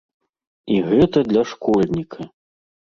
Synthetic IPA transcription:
iɣɛt̪ɐd̪lʲɐʂkɔlʲnʲikʰɐ

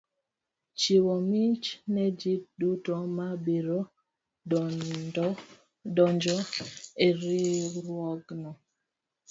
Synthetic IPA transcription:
t͡ʃiwomit͡ʃnɛd͡ʒidutomabiɾo | dɔɲd͡ʒɔeɾiɾwɔɡnɔ

